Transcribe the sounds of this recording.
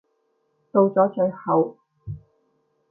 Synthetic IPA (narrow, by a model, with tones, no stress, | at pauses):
t̪o˧wt͡sɔː˨˥t͡sœ˨˥ɥhɐ˨w